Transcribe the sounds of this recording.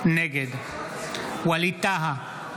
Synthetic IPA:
neɡed̪ | wɐlit̪aɦa

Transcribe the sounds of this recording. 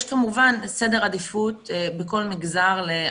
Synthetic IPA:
ʃkamuvanse̞deʁadifut̪beko̞lmiɡzaʁle

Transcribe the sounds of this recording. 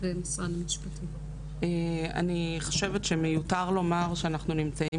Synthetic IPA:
bemasʁanmiʃpatʰi | ea̰niχo̥ʃe̞vetʃemejutaʁlo̞maʁʃeanaχnunimt͡sai

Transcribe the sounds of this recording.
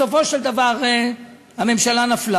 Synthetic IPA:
ofo̞ʃeld̪avaʁe | hame̞mʃalanafla

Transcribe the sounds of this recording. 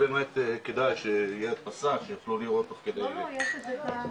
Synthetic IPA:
beːmet̪ked̪ajʃejelet̪̚pasakʃejaχluliʁo̞t̪ːoχked̪eje

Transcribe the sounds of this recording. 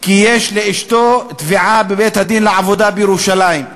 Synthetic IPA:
kijeʃleiʃt̪ot̪viʕabebet̪had̪inleʕavo̞d̪abjeɾuʃalaim

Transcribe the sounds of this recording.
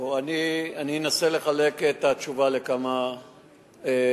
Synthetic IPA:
oanianienasele̞χale̞ket̪at͡ʃuvale̞kama | e

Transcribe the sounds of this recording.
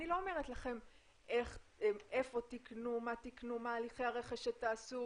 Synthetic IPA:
nilo̞ome̞ʁe̞tlaχe̞m | ʔe̞χee̞fo̞tiknumatiknumaːliχejaʁe̞χeʃetaːsu

